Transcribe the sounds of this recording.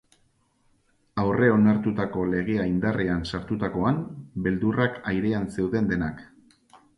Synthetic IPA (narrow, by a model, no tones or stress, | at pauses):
awre̞o̞naɾt̪ut̪ako̞le̞ɣ̞e̞aind̪arʔeansaɾt̪ut̪ako̞ambe̞ld̪urakajɾe̞anse̞wðe̞nd̪e̞nak